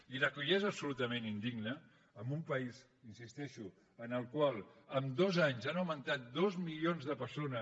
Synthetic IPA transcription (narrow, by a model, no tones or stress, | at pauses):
iləkuʎezəpsulut̪əmenind̪iɡnəː | mbumpəiz | insist̪ɛʃu | ənəlˠkwalˠəmd̪ɔzaɲzanəwmənt̪at̪̚d̪ozmilionzðəpəɾsonəs